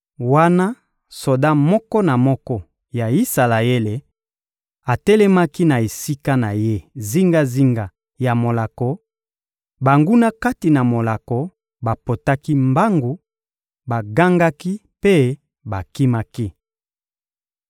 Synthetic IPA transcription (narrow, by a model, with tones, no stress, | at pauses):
wa˦na˦ | so˨da˦mɔ˦kɔ˦na˨mɔ˦kɔ˦ | ja˨i˦sa˨la˨e˦le˨ | a˨tɛ˦lɛ˦ma˦ki˦na˨e˨si˦ka˦na˨je˦zi˦ŋɡa˦zi˦ŋɡa˨ | ja˨mo˨la˨kɔ˨ | ba˨ŋɡu˦na˦ka˦ti˨na˨mo˨la˨kɔ˨ | ba˨po˨ta˦ki˦mba˦ŋɡu˨ | ba˨ɡa˦ŋɡa˦ki˦ | pe˦ | ba˨ki˦ma˦ki˦